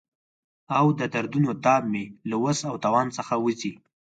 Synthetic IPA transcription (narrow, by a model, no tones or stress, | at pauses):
awd̪əd̪aɾd̪unot̪ɑb̚melawəsawt̪awɑnsəxawəzi